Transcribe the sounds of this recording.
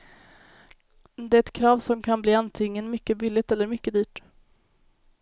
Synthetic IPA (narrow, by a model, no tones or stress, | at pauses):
d̪ɛːɛt̪kʰɾɑːvsɔmkʰanbliːant̪ʰɪŋːənmʏkːəbɪlːɪt̪ɛlːəɾmʏkːəd̪yːʈ